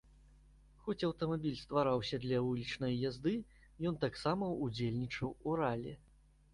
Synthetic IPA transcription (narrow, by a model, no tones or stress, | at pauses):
xɔt͡sʲɐwt̪ɐmabʲilʲst̪vaɾawsʲɐd̪lʲɐvulʲit͡ʂnɐjjazd̪ɨ | jɔnt̪aksamɐud͡zʲelʲnʲit͡ʂɐwuɾalʲɛ